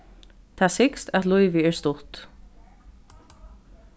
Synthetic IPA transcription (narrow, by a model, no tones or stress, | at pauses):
t̪ʰasɪkst̪æt̪lʊjvɪɛɹst̪ʊht̪